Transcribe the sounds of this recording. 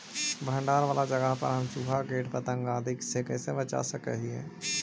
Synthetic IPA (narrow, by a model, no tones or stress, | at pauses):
bʱə̃ɳɖaːɾʋaːlad͡ʒəɡəɦpə̰ɾɦɐmt͡ʃuːpʰaɡeːʈpət̪ə̃ŋɡaːd̪ʱɪksekɛːsebət͡ʃa̰səkɾə̰ɦiɦɛ̰̃ː